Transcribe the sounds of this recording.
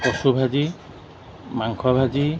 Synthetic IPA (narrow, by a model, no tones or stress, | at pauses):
pɔsubʱad͡ʒi | maŋkʰɔbʱad͡ʒi